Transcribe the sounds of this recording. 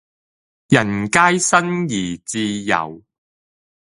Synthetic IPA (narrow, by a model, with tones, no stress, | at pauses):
jɐ˨˩nkaː˥jsɐ˥njiː˨˩t͡siː˧jɐ̰˨˩w